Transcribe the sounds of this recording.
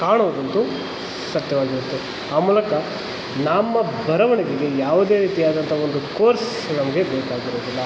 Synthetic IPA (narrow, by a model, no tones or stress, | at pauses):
kaːɳoːd̪ɐnt̪u | sɐt̪jɐʋaːɡiɾut̪ːe | aːmuːlɐkɐ | nɐmːɐbɐɾɐʋɐɳiɡiɡe̞jaːʋud̪e̞ːɾiːt̪ijaːd̪ɐnt̪ʰɐo̞nd̪ukoːɾs | nɐmɐɡe̞beːkaːɡiɾoːd̪ilːɐ